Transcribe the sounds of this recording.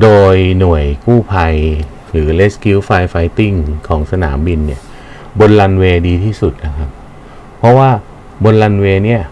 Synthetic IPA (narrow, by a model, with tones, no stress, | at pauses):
doː˧jnu˨˩əjkuː˥˩pʰa˧j | ɾɯː˩˦le˦˥ski˦˥wfa˧jfa˧jt̪i˥˩ŋkʰɔː˩˦ŋsa˧naː˩˦mbi˧nːi˦˥˩ɐ | bo˧nla˧nweː˧diː˧t̪ʰiː˥˩su˨˩t̪̚na˧kʰa˦˥p̚ | pʰɔ˦˥waː˥˩ | bo˧nla˧nweː˧ni˦˥˩ɐ